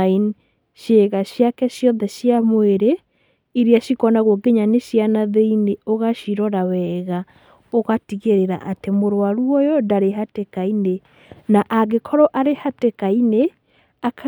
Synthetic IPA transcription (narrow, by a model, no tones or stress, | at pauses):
in | ʃeɣaɕjakɛʃjɔnðɛʃiamweɾe | iɾiaʃikɔnaɣwoɡeɲaneʃjanaðeineoɣaʃiɾɔɾawɛɣa | oɣatiɣeɾeɾa̰ʔatemoɾwaɾuɔjɔndaɾeɦatekaine | naʔaɣekʰɔɾɔʔaɾehatekaine | akʰa